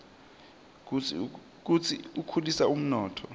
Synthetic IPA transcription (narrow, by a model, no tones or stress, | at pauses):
k̬ut͡sʰiukʰulisaum̩nɔːtʰɔ